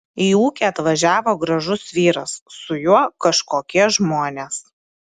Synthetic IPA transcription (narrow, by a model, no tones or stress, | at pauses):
iːuːkʲeːɐt̪ʋɐʒʲæːʋoːɡɾɐʒʊsʋʲiːɾɐsːʊjuɔkɐʃkoːkʲiɛʒmoːnʲeːs